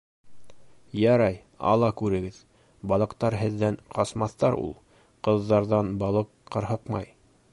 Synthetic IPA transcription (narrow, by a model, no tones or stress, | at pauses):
jɑɾɑj | ɑ̰lˠɑkʉɾɘ̆ɡɘð | bɑlˠɤ̆qt̪ɑɾɦɘ̆ðːæɴqɑsmɑθt̪ɑɾṵlˠ | qɤ̆ðːɑɾðɑnbɑlˠɤqqːɤ̆ɾɦɤqmɑj